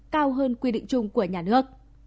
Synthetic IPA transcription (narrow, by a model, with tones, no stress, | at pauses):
kaː˧wɦəː˧nkwi˧ɗḭ̈˧˨ŋ̟t͡ɕʊ˧ŋ͡mku˧˩əɲaː˨˩nɨ˦˥ək̚